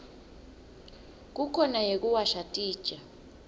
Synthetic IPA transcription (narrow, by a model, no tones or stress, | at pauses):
k̬ukʰɔnajek̬ʼuwaʃatʼiːd̥ʒ̥ʼʱa